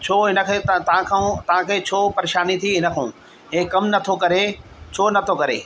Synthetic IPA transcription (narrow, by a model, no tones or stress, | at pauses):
t͡ɕʰoːɦɪnə̆kʰeːt̪t̪ɐʋ̤ãkʰãũt̪ɐʋ̤ãkʰeːt͡ɕʰoːpɐɾeːʃaːnit̪ʰiɦɪnə̆kʰãː | ɦẽːkɐmnɐt̪ʰokɐɾet͡ɕʰoːnɐt̪ʰokɐɾeː